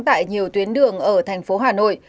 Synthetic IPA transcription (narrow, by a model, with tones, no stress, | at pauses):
t̪a̰ː˧˨jɲi˨˩əwt̪wi˨˦ənɗɨ˨˩əŋʔəː˧˩t̪ʰɛ˨˩jŋ̟fo˨˦ɦaː˨˩no̰˧˨j